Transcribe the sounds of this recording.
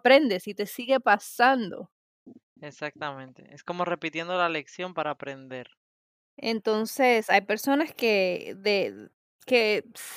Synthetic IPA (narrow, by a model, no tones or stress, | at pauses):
pɾe̞nd̪e̞sit̪e̞siɣe̞pasand̪o̞̰ | esak̚t̪amẽ̞nt̪e̞̰esko̞mo̞re̞pit̪je̞nd̪olale̞ksjo̞mpaɾaːpɾend̪e̞ɾ | ḛnt̪o̞nse̞sajpe̞ɾso̞naske̞ðe | kes